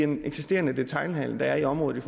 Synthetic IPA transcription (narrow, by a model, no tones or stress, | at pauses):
eneɡ̥sisd̥e̝̰ɐnəd̥e̝t͡sʰɑ̈ɪlɦæl̰n̩d̥ɑ̈æɐiɒ̽mʁɔ̽ːð̩ˠif